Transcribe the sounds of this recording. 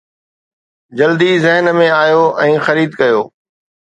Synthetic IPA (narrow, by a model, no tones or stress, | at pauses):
d͡ʑɐld̪izɪɦnmẽaːjoːʔɛ̃ːxɐɾiːd̪kɐjoː